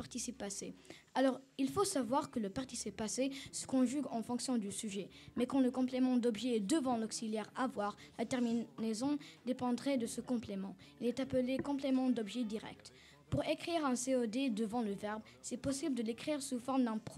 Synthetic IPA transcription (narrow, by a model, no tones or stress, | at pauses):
paʁt̪isipːasealɔʁilfosavwaʁkələpaʁt̪isipasesə̥kɔ̃ʒyɡɑ̃fɔ̃ksjɔ̃d̪ysyʒɛmɛkɑ̃ləkɔ̃plemɑ̃d̪ɔbʒɛɛd̪əvɑ̃lɔksiljɛʁavwaʁlat̪ɛʁmiezɔ̃d̪epɑ̃d̪ʁɛd̪əsəkɔ̃plemɑ̃ilɛt̪apəlekɔ̃plemɑ̃d̪ɔbʒɛd̪iʁɛ̰k̚t̪ | puʁekχiʁɛ̃seod̪ed̪əvɑ̃ləvɛʁb | sɛpɔsibləd̪əlekχiʁsufɔʁmd̪ɛ̃pχ